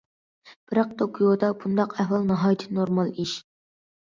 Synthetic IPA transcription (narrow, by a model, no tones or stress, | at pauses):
b̥ɪɾɑq̚t̪ʰokʰiod̪ɑbund̪ɑqɛhwɑlˠnɑɦɑːjt̪ʰɨ̥noɾmɑlˠiʃ